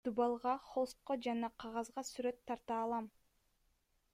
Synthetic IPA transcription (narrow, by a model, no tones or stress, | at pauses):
ubɑlˠʁɑχost̪̚qod͡ʒɑnɑqʰɑʁɑzʁɑsyɾø̞t̪ʰːɑɾt̪ɑːlˠɑm